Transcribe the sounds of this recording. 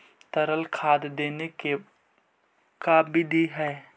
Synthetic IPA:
t̪əɾəlkʰaːd̪d̪eːneke | kabɪd̪ʱiɦɛː

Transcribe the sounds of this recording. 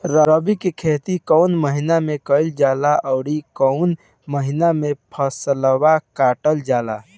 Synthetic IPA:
ɾəɾəbikekʰeːt̪ikəʊnməɦinamekəɪld͡ʒaːlaʔəʊɾikəʊn | məɦinamẽpʰəsləwakaːʈəld͡ʒaːla

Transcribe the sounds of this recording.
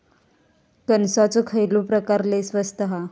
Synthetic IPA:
kənsat͡sokʰəjlupɾəkaɾlesʋəst̪əɦa

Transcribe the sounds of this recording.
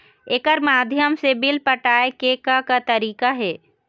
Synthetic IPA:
eːkəɾmaːd̪ʱjəmsebɪlpəʈaːekekakat̪ɐɾiːkaɦɛː

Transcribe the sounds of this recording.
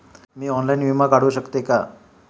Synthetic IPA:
miːɔnlainʋimakaɽuɕəkt̪eka

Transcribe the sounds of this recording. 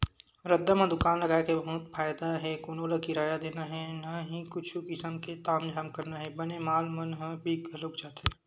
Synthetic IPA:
ɾɐd̪ːamãd̪ʊkaːnlɐɡaːkebɐɦʊt̪fʰaːjd̪aɦɛkoːnoːlakiɾaːjad̪eːnaɦɛnaɦĩkʊt͡ʃʰukɪsəmket̪aːmd͡ʒʱaːmkɐɾnaɦɛbɐnemaːlmɐnɦə̃biɡlʊkd͡ʒaːt̪ɦɛ

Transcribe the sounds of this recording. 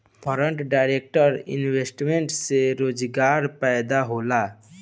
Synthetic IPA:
pʰɔɾəɳʈɖajɾek̚ʈəɾḭnwesʈmeɳʈseɾoːd͡ʒɡaɾpəjd̪aɦola

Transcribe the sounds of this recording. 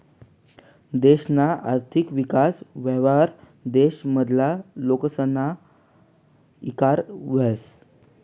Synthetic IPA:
d̪eɕnaʔaɾt̪ʰikʋikasʋɛʋaɾ | d̪eɕməd̪ʱlalokəsəna | ikaɾʋəs

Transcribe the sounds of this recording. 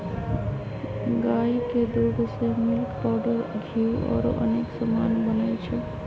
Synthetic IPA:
ɡaːiked̪uːɡʱsemɪlkpɔːɖəɾɡʱiːuɔ̰ːɾ̰ʔɐ̰neːksəmaːnbənet͡ʃʰe

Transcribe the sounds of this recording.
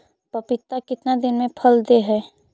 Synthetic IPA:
pɐpɪt̪ːakɪt̪nad̪ɪnmẽpʰəld̪eɦɛː

